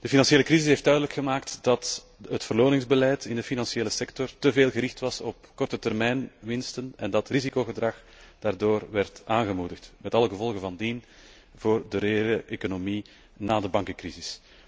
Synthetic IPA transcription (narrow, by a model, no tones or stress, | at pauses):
d̥əfinɑnseːləkrizɪsɦeːftdœːɥdələkxəmaːktdɑt | ɦətfərloːnɪŋzbəlɛjtɪndəfinɑnsieːləsɛktɔrtəveːlˠɣəɾɪxtʋɑsɔp̚kɔrtətɛrmɛjnʋɪnstənɛndɑtrizikoːɣədrɑx | d̥aːrdoːrʋɛrtaːnɣəmudəxtmɛtɑləɣəvɔlˠɣəvɑndin | voːrdəɾeeːləʔekonomi | naːdəbɑŋkəkrizɪs